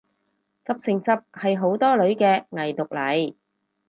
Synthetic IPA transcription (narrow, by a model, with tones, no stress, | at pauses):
sɐ˨p̚sɪ˨˩ŋsɐ˨p̚hɐ˨jɦo˨˥wt̪ɔː˥lɵ˨˥ɥkɛː˧ŋɐ˨˩jt̪ʊ˨k̚lɐ˨˥j